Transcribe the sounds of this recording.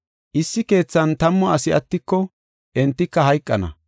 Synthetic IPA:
ʔɪsːɪke̞ːt͡sːɐnt̪ɐmːɔɐsɪɐt̪ːɪkːɔ | ʔɛnt̪ːɪkːɐɦɐjkʼːɐnɐ̰

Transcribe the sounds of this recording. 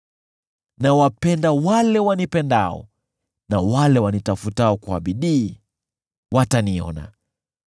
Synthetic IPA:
nawapɛndawalɛwanipɛndaɔ̰ | nawalɛwanitafutaɔkwaɓiɗiː | wʔataniɔ̰na̰

